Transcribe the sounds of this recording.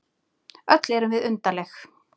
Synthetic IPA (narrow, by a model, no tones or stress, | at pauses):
œt̪lɛɾʏmvɪðʏnt̪alɛx